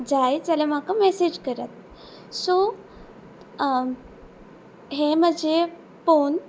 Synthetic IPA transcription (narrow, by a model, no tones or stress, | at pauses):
d͡zajt͡salem̤akamesed͡ʑkəɾət̪̚ | sɔ | ɦem̤əd͡ʑe | fon